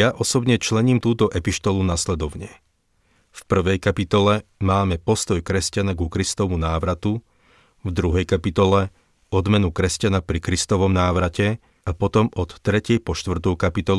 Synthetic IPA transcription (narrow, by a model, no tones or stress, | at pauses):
jaʔɔsɔbɲɛt͡ʃlɛɲiːmt̪uːt̪ɔʔɛpiʃt̪ɔlunaslɛd̪ɔʊɲɛ | fpr̩ʋɛjkapit̪ɔlɛmaːmɛpɔst̪ɔjkɾɛscanaɡukɾist̪ɔmunaːʋɾat̪u | vd̪ɾuɦɛjkapit̪ɔlɛ | ɔd̪mɛnukɾɛscanapɾikɾist̪ɔʋɔmnaːʋɾacɛ | apɔt̪ɔmɔt̪ːɾɛcɪɛjpɔʃt̪ʋr̩t̪ɔʊkapit̪ɔl